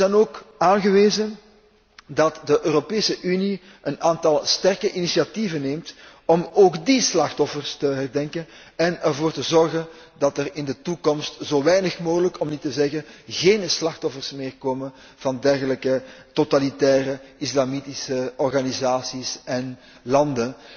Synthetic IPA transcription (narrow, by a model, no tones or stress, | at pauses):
zɛjnoːkaːnɣəʋeːzən | dɑtdəʔøːropeːsəʔyni | ʔənaːntɑlˠstɛrkəʔinisiativənːeːmt | ɔmoːɡdislɑxtɔfərstəɦɛrdɛŋkən | ɛnɛrvoːrtəzɔrɣən | dɑtərɪndətukɔmstz̥oːʋɛjnəxmoːɣələkɔmnitəzɛɣənɣeːnslɑxtɔfərsmɪːrkoːmən | v̥ɑndɛrɣələkətotalitɛːrəɪslamitisəɔrɣanizaːsisɛn | lɑndən